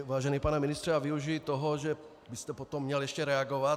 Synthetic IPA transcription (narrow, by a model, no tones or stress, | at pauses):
vaːʒɛniːpanaminist̪r̥ɛaviuʒijit̪oɦoʒɛ | bɪst̪ɛpot̪omːɲɛljɛʃcɛɾɛaɡovat